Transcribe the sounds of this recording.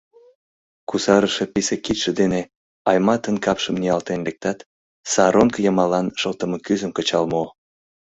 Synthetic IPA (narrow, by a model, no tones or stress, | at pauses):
kusɑɾəʃepisekit̪ʃed̪ene | ɑjmɑt̪ənkɑpʃəmniɑlt̪enlek̚t̪ɑt̪ | sɑɾonkjəmɑlɑnʃəlt̪əməkyzəmkət͡ɕɑlmo